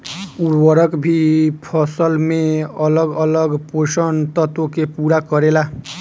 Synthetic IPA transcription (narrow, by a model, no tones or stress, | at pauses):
uɾwʌɾʌkbʱipʰʌsʌlmeʌlʌɡʌlʌɡposʌnt̪ʌt̪okepuɾakʌɾela